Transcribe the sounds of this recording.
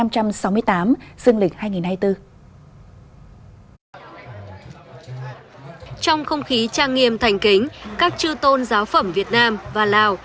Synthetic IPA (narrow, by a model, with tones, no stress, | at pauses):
a˧mt͡ɕa˧msa˨˦wmɨ˧əjt̪aː˨˦mz̥ɨ˧əŋlï˨˩k̟̚haː˧jŋi˨˩nhaː˧jt̪ɨ˧ | t͡ɕɔ˧wŋ͡mxə˧wŋ͡mxi˨˦t͡ɕaː˧ŋŋi˧˩əmt̪ʰa˨˩jŋ̟kï˨˦ŋ̟kaː˦˥k̚t͡ɕɨ˧t̪o˧nzaː˨˦wfə̰˧˩mvi˨˩ət̚naː˧mvaː˨˩laː˨˩w